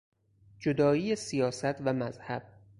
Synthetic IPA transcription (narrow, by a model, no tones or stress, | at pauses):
d͡ʒod̪ɒːiːjesijɒːsæt̪ʰvæmæzhæb̥̚